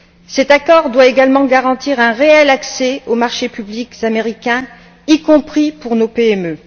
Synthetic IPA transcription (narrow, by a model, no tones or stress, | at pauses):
sɛt̪akɔʁd̪waeɡalmɑ̃ɡaʁɑ̃t̪iʁɛ̃ʁeɛlaksɛomaʁʃepyblikzameʁikʲɛ̃ | ikɔ̃pχipuʁnopeɛmø